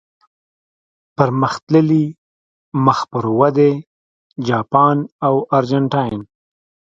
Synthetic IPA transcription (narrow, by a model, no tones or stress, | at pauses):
pəɾməxt̪ləli | məxpəɾwad̪e | d͡ʒɑpɑnawaɾd͡ʒaɳʈɑjn